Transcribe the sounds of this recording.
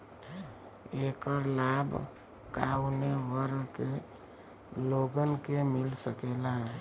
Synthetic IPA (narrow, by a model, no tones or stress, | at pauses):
ekəɾlab | kauneʋəɾke | loɡənkemilsəkela